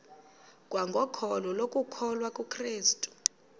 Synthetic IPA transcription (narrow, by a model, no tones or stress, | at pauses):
k̬ʼwaŋɡʱɔkʰɔlɔlokʼukʰɔlwakʼukʰreːstʼu̥